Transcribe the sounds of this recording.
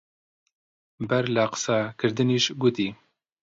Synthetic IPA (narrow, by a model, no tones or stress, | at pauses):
bɛɾlaqə̥sɑːkʰɨɾd̪ɨniːʃɡut̪iː